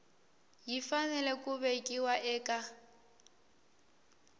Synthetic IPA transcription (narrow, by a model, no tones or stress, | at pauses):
jifanɛlɛkʼʊbekʼiwaʔɛːkʼa